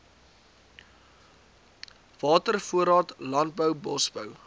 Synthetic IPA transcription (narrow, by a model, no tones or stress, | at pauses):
v̥ɑːtərfuəɾɑːtlɐnt̚bəwbɔsbəw